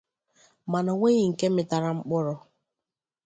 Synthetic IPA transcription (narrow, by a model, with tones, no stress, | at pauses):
ma˨na˨ŋʷe˦ɲi˨ŋ̩˨ke˦mɪ˦ta˨ɾa˦ŋ͡m̩˦k͡pɔ˦ɾɔ˦